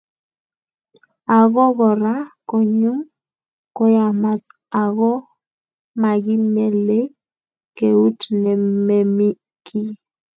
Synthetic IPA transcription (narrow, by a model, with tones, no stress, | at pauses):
a˨ɣɔ˦ɣɔ˨ɾa˦kɔ˨ɲu˦m | kɔ˦ja˨ma˦t͡s | a˨ɣɔ˦ | ma˨ɣi˦mɛ˦le˦ | ke˨u˦tnɛ˨me˨mi˦ | kʰi˦